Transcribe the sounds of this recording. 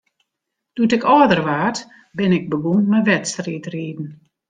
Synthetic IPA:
d̥utɪkɔːdərʋaːt | bɪnɪk̚bəɡunmɛʋɛtstriːtriːdn̩

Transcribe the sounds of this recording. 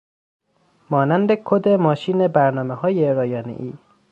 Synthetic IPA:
mɒːnænd̪ekʰod̪e̞mɒːʃiːne̞bæɾnɒːmeɦɒːjeɾɒːjɒːnḛʔiː

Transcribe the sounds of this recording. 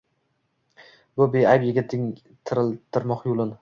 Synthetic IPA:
bʊbeajpjeɡʲat̪ʰɪŋ | t̪ʰɪɾɪlt̪ʰɪɾmɒqjolˠɪn

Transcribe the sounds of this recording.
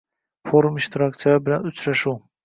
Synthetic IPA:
foɾumiʃt̪ɾak̚t̪sijabɪlanʊt͡ʃʰɾaʃu

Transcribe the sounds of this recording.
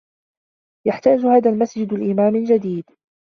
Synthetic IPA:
jaħt̪aːd͡ʒhaːðaːlmasd͡ʒɪd̪alʔɪmaːmɪnd͡ʒad̪iːd̪

